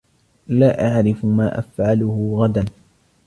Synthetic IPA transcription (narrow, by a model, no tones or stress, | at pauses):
laːʔaʕɾɪfʊmaːʔafʕalʊhʊɣad̪an